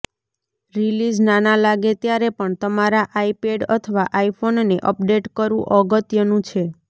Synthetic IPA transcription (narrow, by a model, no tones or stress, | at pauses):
ɾilid͡ʒnanalaɡet̪jaɾepəɳt̪əmaɾaʔaipeɖət̪ʰəʋaʔaipʰonneʔəp̚ɖeʈkəɾʋũʔəɡət̪jənũt͡ʃʰe